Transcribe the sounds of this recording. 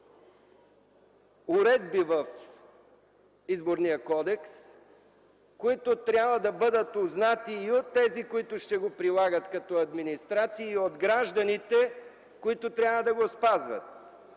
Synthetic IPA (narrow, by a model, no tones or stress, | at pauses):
ʊɾɛd̪̚bivɐf | izboɾnijəkɔd̪ɛks | koit̪ot̪ɾʲabvəd̪ɐbɤd̪ət̪oznat̪iːot̪ːɛzikoit̪ʊʃt̪ɛɡopɾilˠaɡət̪kɐt̪ɔɐd̪minist̪ɾat̪siiiod̪ɡɾaʒd̪ɐnit̪ɛ | koit̪ot̪ɾʲjavəd̪ɐɡospazvə̰t̪̚